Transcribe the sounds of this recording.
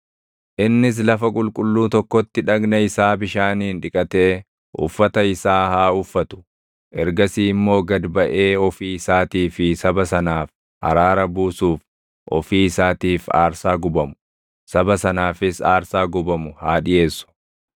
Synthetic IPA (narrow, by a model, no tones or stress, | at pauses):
ʔɪnːɪs̬lɐfɐkʼʊlkʼʊlːuːt̪ɔkːɔt̪ːɪᶑɐɡnɐɪsaːbɪʃaːniːnᶑɪkʼɐt̪e̞ː | ʔʊ̰fːɐt̪ɐɪsaːhaːʊfːɐt̪ʊ̥ | ʔɛɾɡɐsiːmːo̞ːɡɐd̪bɐʔe̞ːɔfiːɪsaːt̪iːfɪsɐbɐsɐnaːf | ʔɐ̰ɾaːɾɐbuːsuːf | ʔɔ̰fiːɪsaːt̪iːfa̰ːɾsaːɡʊbɐmʊ | sɐbɐsɐnaːfɪsaːɾsaːɡʊbɐmʊhaːᶑɪje̞ːsːʊ̥